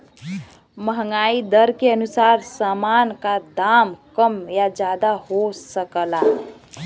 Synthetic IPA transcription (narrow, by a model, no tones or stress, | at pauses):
məɦŋɡaid̪əɾkeənusaɾsamankad̪amkəmjad͡ʒad̪ahosəkəla